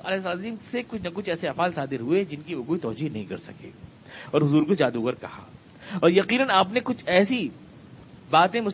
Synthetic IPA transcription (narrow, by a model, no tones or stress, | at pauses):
ɐlsaːd̪iːmsekʊt͡ʃʰnɐkʊt͡ʃʰɛːseɐfaːlsaːd̪ɪɾɦued͡ʒɪnkiʋokoːit̪ɔːd͡ʒiːɦnɐɦĩkɐɾsɐ̰kḛː | ɔːɾɦʊzuːɾkod͡ʒaːd̪uɣɐɾkɐ̰ha̰ː | ɔːɾjɐqiːnənaːpnekʊt͡ʃʰɛːsi | baːt̪ẽmʊs